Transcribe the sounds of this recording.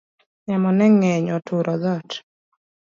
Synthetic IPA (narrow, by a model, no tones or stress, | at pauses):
ɲamɔnɛŋɛɲɔtʰʊɾʔɔðɔt